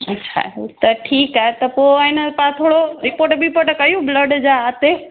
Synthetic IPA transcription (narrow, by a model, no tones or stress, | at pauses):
ɐtːɕʰa̰t̪ɐʈʰiːkaːɦet̪ɐpoɪnəpãt̪ʰoːɽoɾɪpoːɾʈbʱipɐʈkɐjũbləɖd͡ʑaaːt̪e